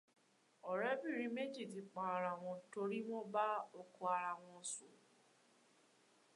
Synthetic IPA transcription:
ɔ˨ɾɛ˦bi˦˨ɾi˨˦me˦d͡ʒi˦˨ti˨˧k͡pa˨a˨ɾa˨w̃ɔ̃˧to˧ɾi˦w̃ɔ̃˦ba˦o˧ku˧a˧ɾa˨w̃ɔ̃˧˨su˨

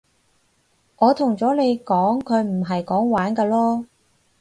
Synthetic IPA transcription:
ŋɔː˨˧t̪ʰʊ˨˩ŋt͡sɔː˨˥ne˨˧jkɔː˨˥ŋkʰɵ˨˧ɥm̩˨˩ɦɐ˨jkɔː˨˥ŋwaː˨˥nkɐː˧lɔː˥

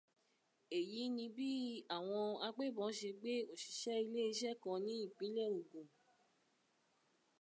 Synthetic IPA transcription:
e˨ji˨˦nĩ˧bi˦a˦˨w̃ɔ̃˧a˧ɡ͡be˦˨bɔ̃˨˦ʃe˧ɡ͡be˦o˦˨ʃi̥˨˧˦ʃɛ˦i˧le˦i˧ʃɛ˦˨kã˧nĩ˦i˦˨k͡pĩ˨˦lɛ˦˨ũ˨ɡũ˨

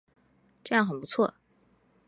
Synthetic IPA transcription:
ʈ͡ʂɤ˥˧jɑ˥˩ŋxə˨˩npu˧˥t͡sʰwɔ˥˩

